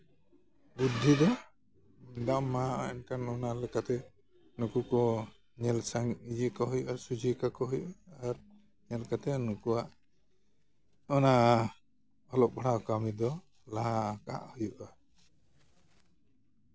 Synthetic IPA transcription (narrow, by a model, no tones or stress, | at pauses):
bud̪ʱːid̪ɔ | d̪amːaɔɛnkanɔnalɛkat̪ɛ | nukukɔ | ɲɛlsaŋid͡ʒikɔɦujuʔasud͡ʒikakɔɦujuʔaːɾ | ɲɛlkat̪ɛnukuaʔ | ɔna | ɔlɔʔ̚bɽakamid̪ɔ | laɦaːka̰ʔhujuʔa